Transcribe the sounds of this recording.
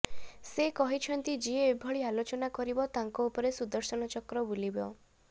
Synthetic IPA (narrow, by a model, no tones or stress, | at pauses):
sekɔɦit͡ʃʰɔnt̪id͡ʒieebʱɔɭialot͡ʃɔnakɔɾibɔt̪aŋkɔupɔɾesud̪ɔɾsɔnɔt͡ʃɔkɾɔbulibɔ